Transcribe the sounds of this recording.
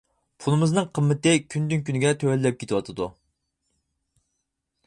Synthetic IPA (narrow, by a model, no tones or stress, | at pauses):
pʰulˠɨmɨznɨŋqʰəmːɪt̪ɪkʲʰynd̪ynkʲynɪɡʲɛt̪ʰøwɛllɛp̚kʲʰet̪ʰɨwɑt̪ʰɨd̪u